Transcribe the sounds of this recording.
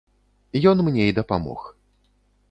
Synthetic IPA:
jɔnmnʲeid̪ɐpamɔ̰x

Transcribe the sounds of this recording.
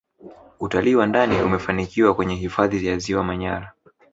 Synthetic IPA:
utaliːwandaniumɛfanikiwakwɛɲɛɦifaðijaziwamaɲaɾa

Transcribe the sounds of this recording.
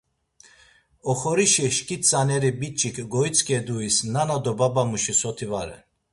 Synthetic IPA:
ɔχɔɾiʃiʃkʼit͡sʼanɛɾibit͡ʃʼikʰɡɔit͡sʼkʼɛd̪uisnanad̪ɔbabamuʃisɔt̪ʰivaɾɛ̰n

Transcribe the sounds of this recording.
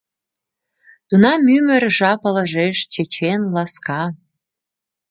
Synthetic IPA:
t̪unɑmymə̆rʒɑpɤ̆lɤ̆ʒeʃt͡ɕet͡ɕenlɑskɑ

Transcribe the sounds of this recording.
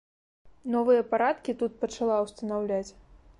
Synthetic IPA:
nɔvɨjɐpaɾat̪kʲit̪ut̪̚pɐt͡ʂalˠawst̪ɐnawlʲat͡sʲ

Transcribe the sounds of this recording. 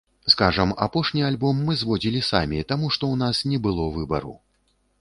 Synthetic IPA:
skaʐɐma̰pɔʂnʲialʲbɔmːɨzvɔd͡zʲilʲisa̰mʲit̪amuʂt̪ɔwnasnʲɛbɨlˠɔvɨbɐ̰ɾṵ

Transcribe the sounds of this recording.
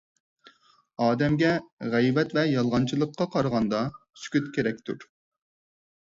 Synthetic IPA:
ɑːd̪ɛmɡʲɛʁɛjvɛt̪vɛjɑlˠʁɑnt͡ʃʰilˠəqʰːɑqʰɑɾʁɑnd̪ɑsy̥kʲyt̪kʲeɾɛkʲt̪ʰṵɾ

